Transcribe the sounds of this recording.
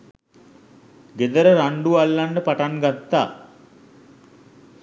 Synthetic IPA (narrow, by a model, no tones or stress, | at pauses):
ɡed̪əɾəɾaɳɖualːanɖəpaʈaŋɡat̪ːaː